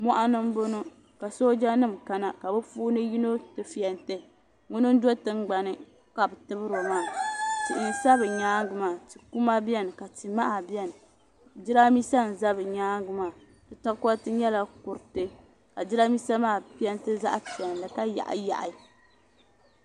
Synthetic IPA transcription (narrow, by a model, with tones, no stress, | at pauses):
mɔ˦ʔa˦nɨ˦m̩˦bo˦no˦ | ka˨so˦d͡ʒa˦nɨ˦˨m̩ka˦na˨ka˨bɨ˦fuː˦nɨ˦ji˦no˦tɨ˨fi˨ɛ˨ntɨ˦˨ | ŋʊ˦nɨ˦n̩˦do˦tɨ˦ŋɡ͡ba˨nɨ˦ | ka˨bɨ˨tɨ˦bɨ˦ɾo˨maː˦˨ti˨ʔn̩˨sa˦bɨ˨ɲaː˦ŋ˦ɡɨ˨maː˦˨ti˨ku˦ma˦bi˦ɛ˦n˨ka˨ti˨ma˦ʔa˨bi˦ɛ˦n˨ | d͡ʒi˦ɾa˦mi˦sa˦n̩˨za˦bɨ˨ɲaː˦ŋɡɨ˦maː˦˨ | d̥ɨ˨ta˦ka˦tɨ˦ɲɛ˦la˦kʊ˨ɾɨ˨tɨ˦ | ka˨d͡ʒi˦ɾa˦mi˦sa˦maː˦˨pi˦ɛ˦ntɨ˦za̰˦ʔa˦pi˨ɛ˨nlɨ˨ka˦ja̰˨ʔja̰˨ʔa˨